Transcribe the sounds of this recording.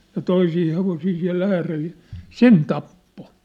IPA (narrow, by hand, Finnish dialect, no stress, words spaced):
jɑ toisiː heʋosiː siæ̝l æːrel̥ j̊ɑ̥ sen tɑpːo